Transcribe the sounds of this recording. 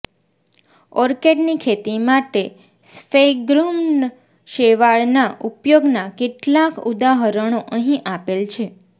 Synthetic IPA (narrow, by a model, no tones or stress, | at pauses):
ɔɾkeɖnikʰet̪imaʈe | speɡɾum | ʃeʋaɭnaʔupjoɡnakeʈlakud̪aɦəɾəɳ̃oʔəɦĩʔapelt͡ʃʰe